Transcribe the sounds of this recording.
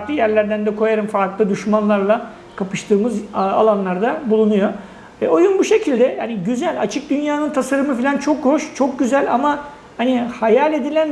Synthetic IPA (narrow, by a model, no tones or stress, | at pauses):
klˠɯjæɾlʲæɾd̪ænd̪ɛkʰo̞jaɾɯmfaɾklˠɯd̪yʃmanlˠaɾlˠa | kʰapʰɯʃt̪ʰɯːmɯza̰lˠanlˠaɾd̪abulˠunujo̞ | ɛojunbuʃe̞cʰilʲd̪ɛjaniɟyzælʲa̰t͡ʃʰɯk̚d̪ynjaːnɯnt̪ʰasaɾɯmɯfilʲant͡ʃʰo̞kho̞ʃt͡ʃʰo̞k̚ɟyzælʲama | hanihajalʲe̞d̪ilʲæn